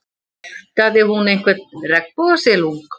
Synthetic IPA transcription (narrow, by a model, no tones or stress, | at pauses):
t̪aðɪhunejnkʰvɛt̪rɛk̚pɔðasɛluŋk